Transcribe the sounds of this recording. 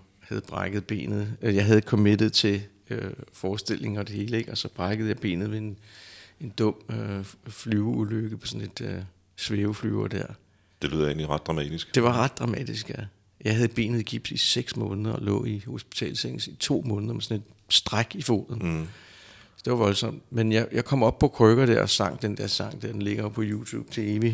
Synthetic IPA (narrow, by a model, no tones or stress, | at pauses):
hæð̞̩ˠb̥ʁɑɡ̥əð̩ˠb̥e̝̰ːnð̩ˠjɑ̈ɪɦæð̞̩ˠkʰɒmed̥ð̩ˠt͡sʰe̝ | fɒːsd̥e̝l̰e̝ŋ̩ɒ̽d̥e̝he̝ːləeɡ̥ɒ̽sɒ̽b̥ʁɑ̈ɡ̥əð̞̩ˠjɑ̈ɪb̥e̝̰ːnð̩ˠʋe̝ene̝nd̥ɔ̽m̰øflyːʊuløɡ̥əpʰɒ̽sɔ̽nle̝d̥ø | sʋeːʊfly̰ːɐd̥æɐ̰ | d̥e̝ly̰ðˠḛːnliʁɑ̈d̥ʁɑ̈mɛ̰ːd̥isɡ̥d̥e̝ʋɑ̈ʁɑ̈d̥̚ːʁɑ̈mɛ̰ːd̥isɡ̥æ | jɑ̈ɪɦæð̞̩ˠb̥e̝̰ːnð̩ˠiɡ̥ib̥siseɡ̥smɔ̽ːnðˠɐɒlɔ̰̽ːiho̝sb̥i̥t͡sʰɛ̰ːlsest͡sʰo̝̰ːmɔ̽ːnð̩ˠɐmesɒ̽ne̝d̥sd̥ʁaɡ̥ifo̝̰ːðˠn̩ | sɒd̥e̝ʋɑ̈ʋɒ̽lsɒ̽m̰d̥menjɑjɑ̈ɪkʰɒ̽m̰ɒ̽b̥̚pʰɒ̽kʰʁœɡ̥ɐd̥æɐ̰ɒsɑ̈ŋ̰d̥end̥æɐsɑ̈ŋ̰d̥æɐ̰d̥enle̝ɡ̥ɐpʰɒ̽jut͡sʰṵːb̥̚t͡sʰe̝e̝ʋi